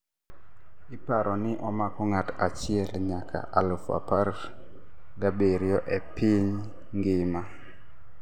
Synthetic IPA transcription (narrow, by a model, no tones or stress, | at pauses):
ɪpaɾʔɔnɪʔɔmakɔŋatat͡ʃɪɛlɲakʰa̰ʔalfa̰paɾ | ɡabeɾjɔʔɛpɪɲ | ŋɡɪma